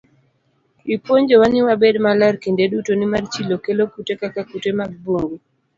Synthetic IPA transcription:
ipwoɲd͡ʒɔwaniwabedmalarkindedutonimart͡ʃilokelokutekakakutemaɡ̚boŋɡo

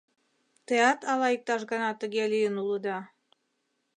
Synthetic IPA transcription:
t̪əjɑt̪ɑlɑik̚t̪ɑʃɣənɑt̪ə̆ɣelyjənuləd̪ɑ

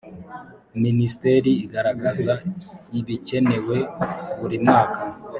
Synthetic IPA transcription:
ministeɾiːɡaɾaɡazaiβice̞ne̞we̞βuɾimŋaːka

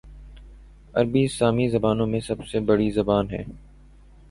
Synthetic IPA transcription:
ɐɾbiɪsaːmizɐbaːnõmẽsɐbsebɐɽizɐbaːnɦɛ̰ː

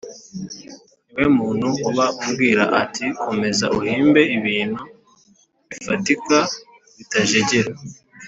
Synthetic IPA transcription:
we̞muːn̤̥huuβaubɡiːɾa̰ʔatʰikʰo̞me̞zauhiːmbe̞iβiːn̤̥hu | βifatika | βitaʒe̞ɟe̞ɾa

